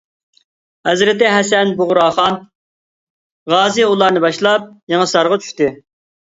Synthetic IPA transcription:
hɛzɾɪt̪ɪɦɛsɛnbʊʁʊɾɑːχɑn | ʁɑːzɪulˠɑɾnɨbɑʃlˠɑp̚jeŋɨsɑɾʁɑt͡ʃʰy̥ʃt̪ɪ

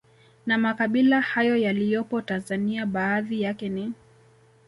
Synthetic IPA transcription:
namakaɓilahajɔjalijɔpɔtanzaniaɓaːðijakɛni

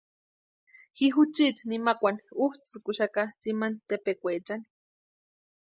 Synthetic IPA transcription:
hiɦut͡ʃit̪nimakʷanuht͡sɨkuʃakat͡simant̪epekʷeːt͡ʃani̥

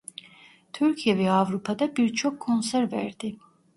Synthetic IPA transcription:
t̪ʰyɾcʰijɛvɛavɾupʰad̪abiɾt͡ʃʰokʰːonsɛɾvɛ̰ɾd̪i

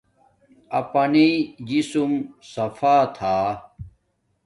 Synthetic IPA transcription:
ɐpɐnid͡ʑisumsɐfaːt̪ʰaː

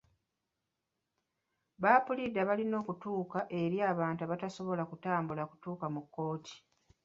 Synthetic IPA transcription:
βaːpulidːaβalino̞ːkutuːkaʔe̞ɾjaːβaːntuaβataso̞βo̞lakutaːmbulaku̥tuːkamukːo̞ːtʰi̥

